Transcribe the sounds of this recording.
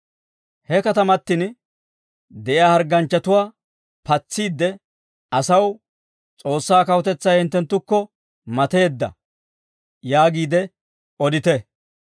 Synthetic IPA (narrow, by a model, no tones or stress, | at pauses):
hɛkɐt̪ɐmɐt̪ːɪn | d̪ɛʔɪjaːhɐɾɡɐnt͡ʃːɐt̪ʊwaː | pɐt͡sːiːd̪ːɛ | ʔɐsɐw | t͡sʼo̞ːsːaːkɐwɔt̪ɛt͡sːɐjhɪnt̪ːɛnt̪ːʊkːɔ | mɐt̪e̞ːd̪ːɐ̰ | jaːɡiːd̪ɛ | ɔd̪ɪt̪ɛ